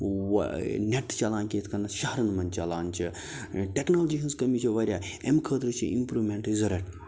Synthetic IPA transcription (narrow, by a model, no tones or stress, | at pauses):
nʲeʈt͡ʃɐlaːnkʲẽːt̪ʰkʰɐnɐʃɐɦɐɾɐnmɐnt͡ʃɐlaːnt͡ʃʰi | ʈeknoːlɐd͡ʒiɦɐnzkɐmit͡ʃʰiʋɐɾʲjaːemkʰəːt̪ɾɨt͡ʃʰiʔimpɾuːʋmeɳʈizɐɾeʈ